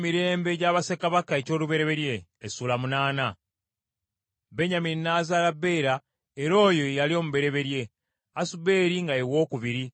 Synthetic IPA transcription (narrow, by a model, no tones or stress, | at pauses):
miɾe̞ːmbe̞ɟaːβasekaβakae̞co̞ːluβe̞ɾe̞βe̞ɾje̞ːsuːlamunaːna | beɲaminnaːzaːlabːe̞iɾa | e̞ɾo̞ːjo̞ejalio̞ːmuβe̞ɾe̞βe̞ɾje̞ | asube̞ːɾiŋɡajewo̞ːkuβiɾi